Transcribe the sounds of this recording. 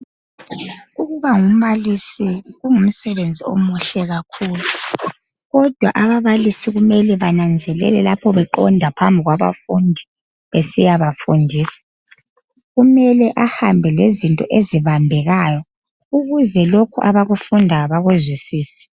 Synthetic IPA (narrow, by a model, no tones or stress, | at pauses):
uɣuβaŋum̩βalisiɣuŋum̩sɛβend͡zʱio̰muɬɛɣakʰuːlu | ɣɔd̥ʱwaʔaβaβalisiɣumɛlɛβanand͡zʱɛlɛ̰lɛlapʰɔβɛǃɔ̰ndʱapʰambʱiɣwaβa̰fundʱi | βesijaβafundʱiːsḁ | ɣumɛlɛʔahambʱɛlezintʼɔʔeziβambʱɛɣajɔ | uɣuzɛlokʰuʔaβaɣufundʱaβaɣuzwisiːsɛ̥